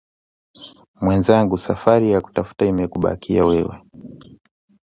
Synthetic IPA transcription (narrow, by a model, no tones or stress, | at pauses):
mwɛnzaŋɡusafaɾijaku̥tafu̥taimɛkuɓa̰kʰiawɛwɛ̰